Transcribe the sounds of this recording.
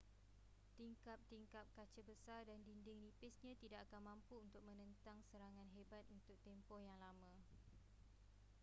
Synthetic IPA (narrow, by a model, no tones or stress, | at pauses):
t̪iŋkap̚t̪iŋkap̚kat͡ʃəbəsardandindɪŋlipɪsɲãt̪idaʔakanmãmpuunt̪ʊk̚mə̃nə̃nt̪aŋsəɾaŋãnɦebat̪̚unt̪ʊk̚t̪ɛmpɔhjaŋlamã